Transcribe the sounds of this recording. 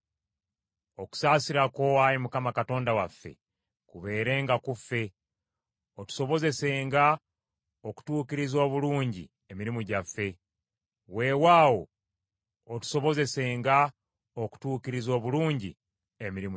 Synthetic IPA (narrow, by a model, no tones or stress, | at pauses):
o̞ku̥saːsiɾako̞aɾimukamakato̞ːndawafːe̞̰ | kuβe̞ːɾe̞ːŋɡakufːe̞ | otu̥so̞βo̞ze̞se̞ːŋɡa | oku̥tuːkiɾizo̞ːβuluːɲɟḭ | e̞miɾimuɟafːe̞ | we̞ːwaːwo̞̰ː | tu̥soβo̞ze̞se̞ːŋɡa | oku̥tuːkiɾizo̞ːβuluːɲɟḭ | emiɾim